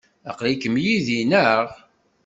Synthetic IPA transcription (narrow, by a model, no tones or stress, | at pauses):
ɑ̰qlikəmjiðinəʁ